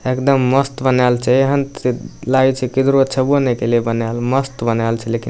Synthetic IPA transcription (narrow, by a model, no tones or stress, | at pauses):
ekd̪əmːəst̪bənalt͡ʃʰɛeɦəntlaɡt͡ʃʰɛkid̪ɾoət͡ʃʰəbonɛkelebənalməst̪bənalt͡ʃʰɛleki